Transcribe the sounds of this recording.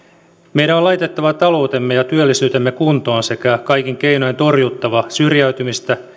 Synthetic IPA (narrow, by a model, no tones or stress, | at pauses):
mejɾæolɑjt̪et̪ːɑʋɑt̪ɑlo̞wt̪emːejɑt̪yølːisyːt̪emːekunt̪oːnse̞kækɑjk̟iŋk̟e̞inojent̪o̞rjut̪ːɑʋɑsyrjæyt̪ymist̪æ